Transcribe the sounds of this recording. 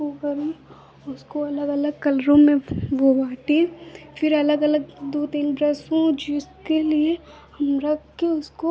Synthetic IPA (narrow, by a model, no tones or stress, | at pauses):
okɐɾẽ | ʊskoɐləɡɐləɡ̚kɐlɾõmẽʋoʋaːʈẽfʰɪɾɐləɡɐləɡ̚d̪oːt̪iːnbɾɐsõd͡ʒɪskelie | hɐmɾɐkʰːeʊsko